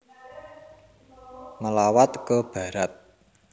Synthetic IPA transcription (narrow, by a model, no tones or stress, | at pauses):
ŋəlawat̪kəb̥ä̤ɾat̪̚